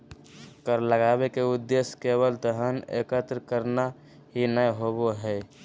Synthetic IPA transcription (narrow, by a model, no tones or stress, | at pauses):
kəɾləɡaːbekeʊd̪ːeskeβəlt̪əɦənḛkət̪ɾkəɾna | ɦinəjɦoboɦɛ